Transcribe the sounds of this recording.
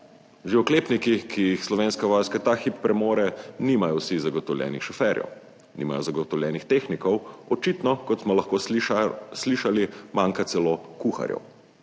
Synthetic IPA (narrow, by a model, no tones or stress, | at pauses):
ʒeɔkleːpnikikʰijixslɔʋeːnskaʋɔːjskat̪axipːɾɛmoːɾɛniːmajɔwsizaɡɔt̪ɔwlʲjɛ̰ːnixʃɔfɛːɾjɛ̰w | nḭma̰jɔzaɡɔt̪ɔwlʲjɛːnixt̪eːxnikɔwɔt͡ʃit̪nɔkɔt̪smɔlaxkoː | sliʃalimaːŋkat̪sɛloːkuxa̰ɾjɛ̰w